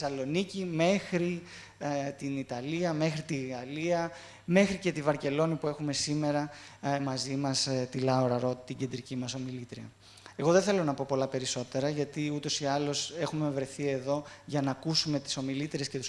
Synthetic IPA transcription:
sɐlo̞nicime̞xɾi | t̪init̪ɐliɐme̞xɾit̪iɣɐliɐ | me̞xɾice̞t̪ivɐɾce̞lo̞nipue̞xume̞sime̞ɾɐ | mɐzimɐst̪ilɐoɾɐɾo̞t̪t̪iɟe̞nd̪ɾicimɐso̞milit̪ɾiɐ̰ | e̞ɣo̞ðeθe̞lo̞nɐpo̞po̞lɐpe̞ɾiso̞t̪e̞ɾɐʝɐt̪iut̪o̞siɐlo̞se̞xume̞vɾe̞θie̞ðo̞ʝɐnɐːkusume̞t̪i̥so̞milit̪ɾe̞sce̞t̪us

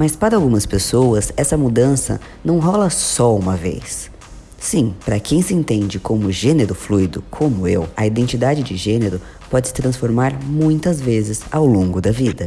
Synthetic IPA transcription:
mɐspaɾɐawɡũmɐspesowɐzɛsɐmud̪ɐ̃sɐ̰ | nɐ̃w̃ɦɔlɐsɔũmɐvḛjsː | ĩpɾɐkẽj̃sɪẽnt̪ẽnd͡ʒɪkõmʊʒeneɾʊflujd̪ʊkʰõmʊewɐid̪ẽnt͡ʃid̪ad͡ʒɪd͡ʒɪʒẽneɾʊ | pɔd͡ʒɪsɪ̥t̪ɾɐ̃sfoɾmaɾmũj̃t̪ɐzvezɪzawlõŋɡʊd̪ɐvid̪ɐ

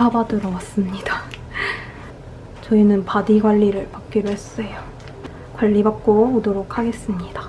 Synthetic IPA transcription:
abadɯɾʌwas͈ɯmɲid̥a | t͡ɕʌinɯnpadiɡwaʎːiɾɯɭpak̚k͈iɾoɦe̞s͈ʌjo | kwaʎːibak̚k͈oodoɾokʰaɡe̞s͈ɯmɲid̥ḁ

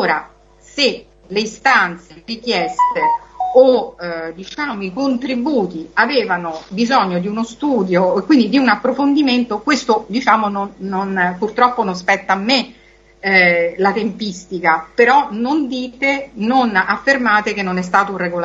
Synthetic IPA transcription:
oːɾa | se | leist̪ant̪serik̟jɛst̪eod̪it͡ʃaːmoikont̪ɾibuːt̪iavɛːvanobizɔɲːod̪iunost̪uːd̪joekːwind̪id̪iunapːɾofond̪iment̪okwest̪od̪it͡ʃaːmononːonpurt̪ɾɔpːononspɛt̪ːaːmːe | lat̪empist̪ikapeɾɔnond̪iːt̪enonafːermaːt̪ek̟enːonɛs̬t̪aːt̪oureɡola

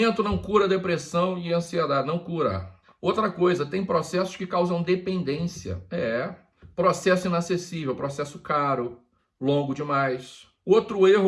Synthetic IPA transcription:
ẽnt̪ʊnɐ̃w̃kuɾɐd̪epɾesɐ̃w̃ɪɐ̃sied̪ad͡ʒɪnɐ̃w̃kuɾɐ̰ | owt̪ɾɐkojzɐt̪ẽj̃pɾɔsɛsʊ̥skɪkawzɐ̃w̃d̪epẽnd̪ẽsiɐ̰ɛ | pɾosɛsʊinasesivewpɾɔsɛsʊ̥kaɾʊ | lõɡʊd͡ʒɪmajs | owt̪ɾʊehʊ

